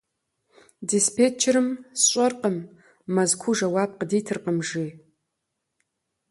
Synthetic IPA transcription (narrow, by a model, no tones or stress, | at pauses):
dispʰet͡ʃʰeɾɨmsɕʷʼɐrqəmː | ɐzkʷʰuʒɐwap̚qədijtʰɨrqəmʐi